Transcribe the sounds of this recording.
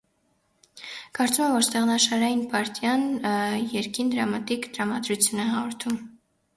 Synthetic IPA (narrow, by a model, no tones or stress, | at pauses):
kɑɾt͡sumɛvɔɾst̪ɛʁnɑʃɑɾɑjinpɑɾt̪jɑnjɛɾkind̪əɾɑmɑt̪ikt̪əɾɑmɑd̪ɾut͡sʰjunɛɦɑʁɔɾt̪ʰum